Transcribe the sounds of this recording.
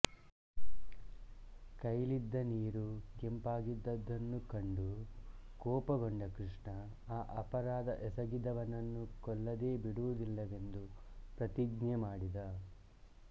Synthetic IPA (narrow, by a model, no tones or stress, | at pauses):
kɐjlid̪ːɐniːɾukempaːɡid̪ːɐd̪ːɐnːukɐɳɖukɔːpɐɡoɳɖɐkɾiʂɳɐ | aːʔɐpɐɾaːd̪ɐʔɛsɐɡid̪ɐʋɐnɐnːukɔlːɐd̪e̞ːbiɽuʋud̪ilːɐʋe̞nd̪upɾɐt̪iɡnɛmaːɽid̪ɐ